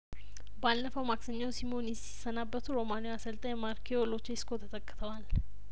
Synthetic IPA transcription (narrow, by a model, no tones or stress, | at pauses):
balːəfəwmaksəɲːawsimonɛsi̥sːənabːət̪ʰuɾo̞manojasəlt̪ʼəjɛmaɾkʰiolo̞t͡ʃːiskʰot̪ʰət̪ʰəkʼːt̪ʰəwal